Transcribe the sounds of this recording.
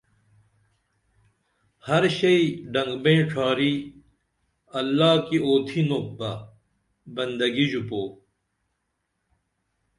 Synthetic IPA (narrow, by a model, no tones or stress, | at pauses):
hɐɾɕɐiɖɐŋɡbẽːʈ͡ʂʰaːɾiː | ɐlːaːkioːt̪ʰinobɐ | bɐnd̪ɐɡid͡ʑupoː